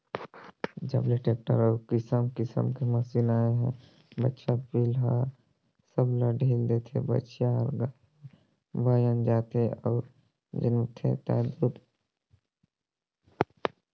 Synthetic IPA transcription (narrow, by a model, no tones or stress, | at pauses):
d͡ʒə̰bleʈeːk̚ʈə̰ɾɔːɾkɪsəmkɪsə̰mkeməsilaːeɦɛ̰̃ | bətːʃapiːlɦa | səblaɖʱiːld̪et̪ʰḛbə̰tːʃjaɦəlɡaː | ɛ | baːjə̃nd͡ʒaːt̪eɔːɾ | d͡ʒə̰nut̪ʰḛ̃t̪ɛ̰ːd̪ud̪